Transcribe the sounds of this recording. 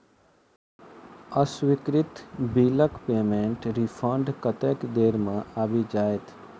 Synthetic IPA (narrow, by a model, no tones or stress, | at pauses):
əswɪkɾɪt̪biːləkpeːmẽːɳʈɾipʰə̃ːɳɖkət̪eːkd̪eːɾmẽabid͡ʒaːet̪ʰ